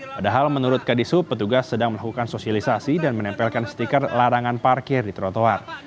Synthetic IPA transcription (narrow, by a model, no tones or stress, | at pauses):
padaɦalmənuɾʊt̪̚kadisupət̪uɡasːədaŋməlakukansosialisasidanmənɛmpɛlkansə̥t̪ikarlaɾaŋanparkɪrdit̪ɾot̪oar